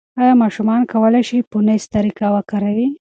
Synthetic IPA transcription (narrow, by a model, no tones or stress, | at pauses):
ɑjɑmɑʃumɑnkawəlajʃipunest̪aɾikawəkaɾawi